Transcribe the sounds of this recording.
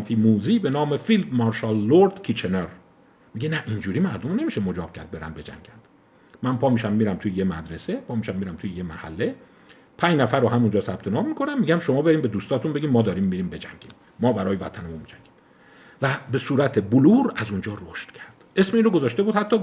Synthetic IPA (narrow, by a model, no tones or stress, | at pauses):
nfiːmuːziːbe̞nɒːmefild̪mɒːɾʃɑlːoɾd̪̥kʰit͡ʃʰeneɾ | miɟe̞næʔind͡ʒuːɾiːmæɾd̪o̞mne̞miːʃemod͡ʒɒːb̥cʰæ̰ɾd̪̚be̞ɾæ̰nbe̞d͡ʒæ̰ŋɟænd̪̥ | mænpʰɒːmiʃæmːiːɾæmt̪ʰujeje̞mæ̰d̪ɾese̞pʰɒːmiʃæmːiɾæmt̪ʰujeje̞mæhæ̰lːe̞ | pʰæɲd͡ʒnæfæɾːoɦæmund͡ʒɒːsæb̥t̪ʰe̞nɒːmːikʰonæmmːiːɟæmʃo̞mɒːbeɾiːmbe̞d̪uːst̪ɒːt̪ʰunbe̞ɟʲiːmmɒːd̪ɒːɾiːmːiɾiːmbe̞d͡ʒæŋɟ̥ḭn | mɒːbæɾɒːjevæ̰t̪ʰænemunmid͡ʒæŋɡ̥iːm | væbe̞suːɾæt̪ʰeboluːɾæzund͡ʒɒːɾoʃt̪cʰæɾd̪̥ʔe̞smeinɾoɡozɒːʃt̪e̞buːd̪hæt̪ʰːɒː